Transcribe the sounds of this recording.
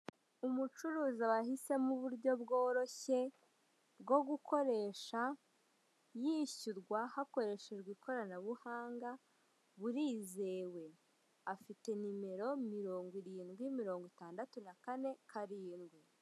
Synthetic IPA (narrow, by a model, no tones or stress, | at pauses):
umut͡ʃuɾuːzaβahise̞muβuɾɟo̞bɡo̞ːɾo̞çe̞ | bɡo̞ɡuko̞ɾe̞ːʃa | jiçuɾɡwahako̞ɾe̞ʃe̞d͡ʒɡwiːkʰo̞ɾanaβuhaːŋɡa | βuɾiːze̞ːwe̞ | afite̞nime̞ɾo̞miɾo̞ːŋɡwiɾiːnɡwimiɾo̞ːŋɡwitaːndatunakane̞kʰaɾiːnɡwi